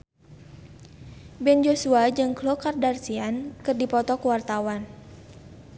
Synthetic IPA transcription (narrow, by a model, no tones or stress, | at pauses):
bɛnd͡ʒosuad͡ʒɨŋklokardarsiankɨrdipɔt̪ɔkəwart̪awan